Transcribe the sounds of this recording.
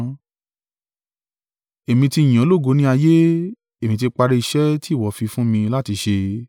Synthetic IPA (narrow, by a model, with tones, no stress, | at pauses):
e˨mĩ˧tĩ˧˨ã˨˦lo˦˨ɡo˨˦nĩ˦a˧je˦ | e˨mĩ˧t̬i˧k͡pa˧ɾe˦˧i˧ʃɛ˦ti˦˨wɔ˨˦fi˧fũ˦mĩ˧la˦ti˧ʃe˧